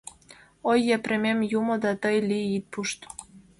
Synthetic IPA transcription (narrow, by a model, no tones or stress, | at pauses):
ojːeprʲemʲemjumŏd̪ɑt̪əjliit̪̚puʃt̪